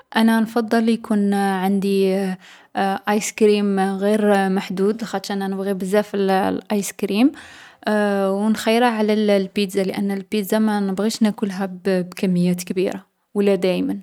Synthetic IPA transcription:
ʔænænfɑd̪ˤːɑljkʰunʕand̪i | ʔɑjskɾimɣiɾmaħd̪ud̪xæt̪ʃæʔnænəbɣibəzːæfəllʔɑjskɾim | wnxəjːəɾhaʕlællpit̪zaləʔænːəlpit̪zamænəbɣiʃnækʊlɦæbbkæmːəjːæt̪kbḭɾa | wəlːæd̪æjmən

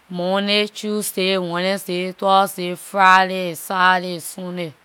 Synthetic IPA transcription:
munet͡ʃusewʷenesetɔsefɾaɾesaɾesune

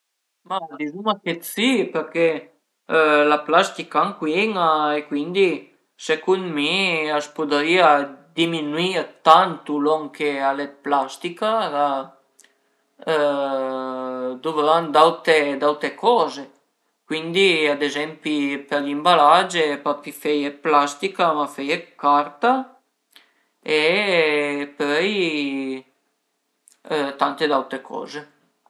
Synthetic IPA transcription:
mad̪izumaket̪sipɛɾke | laplast̪ikaaŋkweŋaekwind̪i | sekund̪miaspud̪ɾiad̪iminwiɾt̪ant̪ulɔŋkʰealeplast̪ikaɾa | d̪ovɾand̪awt̪ed̪awt̪ɾekɔːze | kwind̪iad̪ezɛmpipelimbalad͡ʒepapifejeplast̪ikamafejekːaɾt̪a | e | pœj | t̪ant̪ed̪awt̪ɾekʰɔ̰ːze

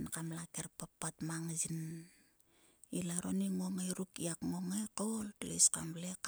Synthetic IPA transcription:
nkamlakerpapːatmaŋsin | ilaɾoniŋoŋejɾukiakŋoŋekoltlḛskamlek

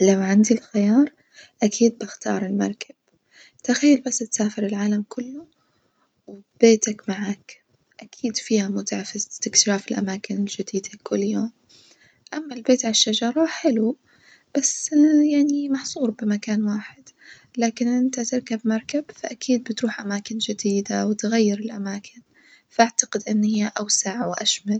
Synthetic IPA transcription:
lawʕand̪ilxɪjɑːɾˤ | ʔakʰiːd̪̚bɪxt̪ɑ̰ːɾˤɪlmɑ̰ɾˤkʰab̥ | t̪axajːalbasːt̪saːfɪɾɪlʕaːlamkʰʊlːʊ | wb̥eːt̪akmaʕaːk | ʔakʰiːd̪fiːhamʊt̪aʕfɪzt̪ɪktɾaːfɪlʔa̰maːkɪnɪld͡ʒɪd̪iːd̪akʰʊlːjoːm | ʔamːalbeːt̪ʕalaʃːad͡ʒɑɾˤɑħɪlu | b̥asːjaʕnimɑħsˤuːɾbɪmakaːnwaːħɪd̪̥ | laːkɪnʔɪnt̪at̪ɪɾkabmɑɾˤkabfaʔakiːd̪̚bɪt̪ɾuːħʔamaːkɪnd͡ʒɪd̪iːd̪awɪt̪ɣajːɪɾɪlʔamaːkʰɪn | faʔaʕt̪aqɪd̪ʔɪnːhɪjːaʔawsaʕwʔaʃmal

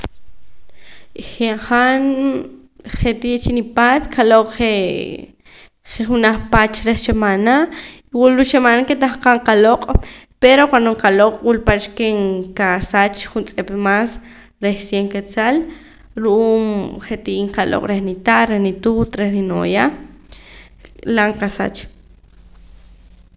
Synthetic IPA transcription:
χeχan | χet̪iʔt͡ʃinipaːt̪kʰaloqʼχe | χeχunaχpat͡ʃɾeχt͡ʃemanaiwulut͡ʃemanaket̪aχqaŋqaloqʼpeɾoqanoŋkaloqʼwulpat͡ʃkeŋkasat͡ʃχunt͡sʼepmas | ɾehsjeŋket͡sal | ɾuʔuːmχet̪iʔiːŋkalo̰qʼɾeχnit̪aʔɾehnit̪ut̪ɾeχnino̰ja | laŋkasa̰t͡ʃ

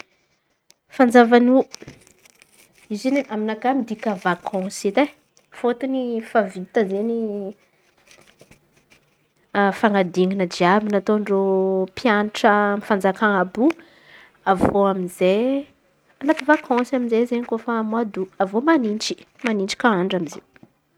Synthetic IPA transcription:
fand͡zavanu | izeniaminakamid̪ikavakʰɔ̃sit̪e | fot̪unifavit̪əzeni | faŋad̪iŋinəd͡ʒiabinat̪oɳɖ͡ʐopʰjanʈ͡ʂəmifand͡zakaŋabu | avoaminze | anat̪ivakʰɔ̃saminzezeɲikofamwad̪uavomanint͡ʃi̥ | manint͡ʃi̥kaaɳɖ͡ʐamizḛw

